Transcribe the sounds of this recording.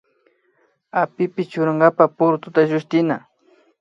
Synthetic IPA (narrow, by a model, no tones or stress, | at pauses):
apɪpɪt͡ʃʊɾaŋɡapapʊɾʊt̪ʊt̪aʒʊʃt̪ɪna